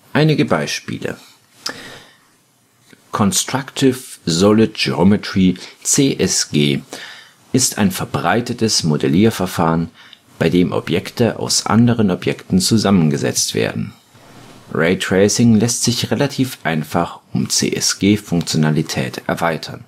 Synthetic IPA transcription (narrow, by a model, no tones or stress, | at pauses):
ʔaɪnɪɡəbaɪʃpḭːlə̰ | kʰɔnstʁ̥aktʰɪfzɔlɪtɡ̥eomɛtʁiːt͡seːʔɛsɡ̥eː | ʔɪstʰa̰ɪnfɛɐbʁaɪtətəsmodɛliːɐfɛɐfaːʁən | b̥aɪdeːmʔɔ̰pjɛktəʔa̰ʊsʔa̰ndəʁənɔpjɛktn̩t͡suzamənɡəzɛ̰t͡stv̥ḛːɐdn̩ | ʁɛɪtʁ̥ɛːsɪŋlɛstz̥ɪçʁelatʰiːfʔaɪnfaχʊmt͡sḛːʔɛ̰sɡ̥eːfʊŋk̚t͡sjonalitʰɛ̰ːtɛ̰ɐvaɪtʰɐ̰n